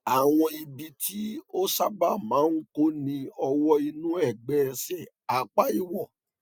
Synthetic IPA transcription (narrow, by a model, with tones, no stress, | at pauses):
a˨w̃ɔ̃˧i˧bi˧tʰi˦o˦sa˦ba˦˨mãː˨˦n̩˦ko˦nĩ˧ɔ˧wɔ˦i˧nũ˦ɛ˦˨ɡ͡bɛ˦˧sɛ˨ | a˨k͡pa˦i˦˨wɔ˨